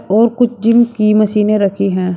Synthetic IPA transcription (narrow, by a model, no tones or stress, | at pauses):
ɔːɾkʊt͡ʃʰd͡ʒɪmkimɐsiːneɾɐkʰiɦɛ̃ː